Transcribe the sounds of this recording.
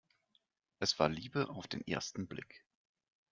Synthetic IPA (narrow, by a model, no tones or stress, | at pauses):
ʔɛsv̥aːɐliːbəʔaʊfd̥eːnʔḛːɐstn̩blɪ̰k